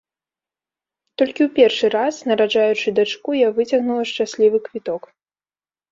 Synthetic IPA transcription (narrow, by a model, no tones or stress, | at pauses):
t̪ɔlʲkʲiwpʲɛrʂɨɾasnɐɾaʐajut͡ʂɨd̪at͡ʂkujavɨt͡sʲɐɣnulˠɐʂt͡ʂasʲlʲivɨkvʲit̪ɔk